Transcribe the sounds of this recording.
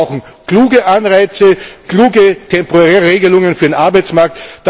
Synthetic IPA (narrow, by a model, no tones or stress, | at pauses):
ʊxn̩ | kl̥uːɡəʔanʁaɪt͡səkluːɡətʰɛmpoʁɛːeːɡəlʊŋənfyːɐdenʔaɐbaɪt͡smaɐk̚td̥a